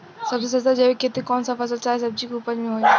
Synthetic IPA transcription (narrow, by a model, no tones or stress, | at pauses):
sɐbzisɐzd̪ad͡ʑɐʋekeːt̪ekɔːnsãfɐs̬əlt͡ɕaːɦesɐb̚d͡ʑikuːpəlmẽɦoːe